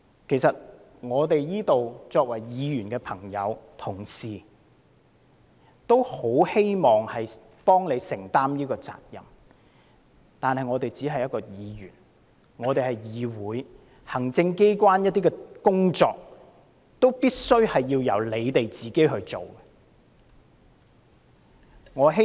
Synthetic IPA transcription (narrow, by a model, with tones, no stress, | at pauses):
kʰe˨˩jsɐ˨t̚ | ŋɔː˨˧t̪e˨jjiː˥t̪o˨wt͡ʃɔː˧k̚wɐ˨˩jjiː˨˧jyː˨˩nkɛː˧pʰɐ˨˩ŋjɐ̰˨˧wt̪ʰʊ˨˩ŋsiː˨ | t̪o˥who˨˥whe˥jmɔː˨ŋhɐ˨j | pɔː˥ŋle˨˧jsɪ˨˩ŋt̪aː˥mjiː˥kɔː˧t͡sa̰ː˨t̚jɐ̰˨˩m | t̪aː˨nhɐ˨jŋɔː˨˧t̪e˨jt͡siː˨˥ɦɐ˨jɐ˥t̚kɔː˧jiː˨˧jyː˨˩n | ŋɔː˨˧t̪e˨jhɐ˨˩jjiː˨˧wuː˨˥j | hɐ˨˩ŋt͡sɪ˧ŋke˥jkwaː˥njɐt̪̚iː˥kɛ˧kʊ˥ŋt͡sɔ̰ː˧k̚ | t̪o˥wpiː˥t̚sɵ˥ɥhɐ˨jːiː˧wjɐ̰˨˩wle˨˧jt̪e˨jt͡siː˨ke˥jɦɵ˧ɥt͡so˨˩wɛ | ŋɔː˨˧ɦe˥